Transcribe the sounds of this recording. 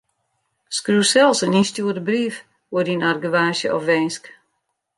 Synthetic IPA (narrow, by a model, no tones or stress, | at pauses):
skruːsɛlˠsənistjuədəbrif | odinarɡəʋaːʃjəʔɔfʋɛnsk